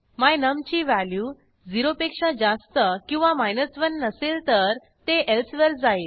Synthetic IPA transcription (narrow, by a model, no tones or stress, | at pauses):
majnəmt͡ɕiːʋælju | d͡ziɾopekʂad͡zast̪əkĩw̃ʋamajnəsʋənːəselt̪əɾ | t̪eʔelsʋəɾd͡zail